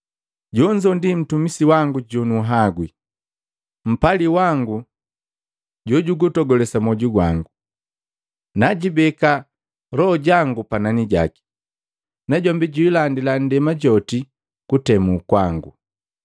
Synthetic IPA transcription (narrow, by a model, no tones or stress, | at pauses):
ɟɔɲd͡ʒɔndim̩tumisiwaŋɡuɟɔnuɦaɡwi | m̩paliwaŋɡu | ɟɔɟuɡutɔɡɔlɛsamɔɟuɡwa̰ŋɡu | naɟibɛka | ɾɔɔɟaŋɡupananiɟa̰ki̥ | naɟɔmbiɟuilandilan̩dɛmaɟɔti | kutɛmukwaŋɡṵ